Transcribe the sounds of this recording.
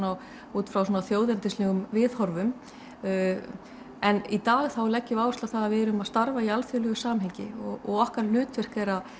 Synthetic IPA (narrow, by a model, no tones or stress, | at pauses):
naw | uːt̪fɾawsɔːnaθjoːwðɛɾnt̪ɪslɛɣʏmvɪðhɔɾvʏm | ɛnit̪aːɣθawlɛcːʏvaːwʏst̪aθaðavɪɛɾʏmaðst̪aɾvaialfjœlœɣʏsaːmɦɛɲcɪɔɣɔɣɔhkaɾ̥l̥ʏːt̪vɛr̥kejɾa